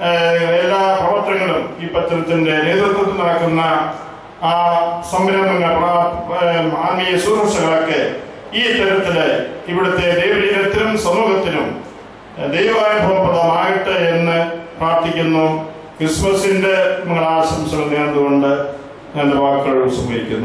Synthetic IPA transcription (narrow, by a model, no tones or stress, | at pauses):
elːaːprɐʋɐrt̪ːɐŋːɐɭumiːpːɐt̪ːɐnɐt̪ːinde̞ne̞ːd̪rut̪ːɐt̪ːinɐɭɐkːunːɐː | sɐmʋiɾɐmbɐŋːɐɭpra | amiːsuːɐʂɐŋːɐɭokːɨ | iːt̪ɐɾɐt̪ːiliʋiɽɐt̪ːe̞d̪ejʋɐɾiet̪ːɐɾumsɐmuːɡɐt̪ːinum | d̪ejʋɐʋaːjɐbʱɐmɐpːɐðɐːmaːjiʈːɨe̞nːɨpraːrt̪ikʲːunːu | krismɐsindemɐŋːɐɭaːʋɐɕɐmsɐmɐniɐnd̪uɣo̞ɳɖɨ | ende̞baːkːɐɭuɭsɐmːɐɾikʲːṵnːu